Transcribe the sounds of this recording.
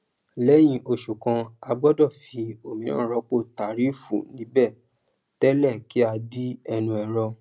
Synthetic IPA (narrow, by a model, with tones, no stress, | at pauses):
lɛ˦j̃ĩ˧ʔo˧ʃu˨kã˧a˧ɡ͡bɔ˦dɔ˦˨fi˧o˨mĩ˧˦nãː˦˨ɾɔ˨˧˦k͡po˦˨ta˨ɾi˦fṵ̃˦˨nĩ˨˦bɛ˦˨ | tɛ˦lɛ˦˨ki˦a˧di˦ɛ˧nũ˧ɛ˨ɾɔ˧